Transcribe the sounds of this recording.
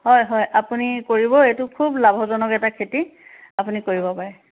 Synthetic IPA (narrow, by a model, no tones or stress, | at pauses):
ɦɔjɦɔjʔapunikoɹibɔetʊkʰublabʱɔzɔnɔkɛtakʰeti | apunikoɹibɔpaɹɛ